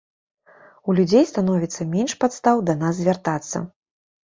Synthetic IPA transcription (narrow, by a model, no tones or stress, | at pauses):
ulʲud͡zʲejst̪anɔvʲit̪sːɐmʲenʂpat̪st̪awd̪ɐnazːʲvʲart̪at̪sːɐ̰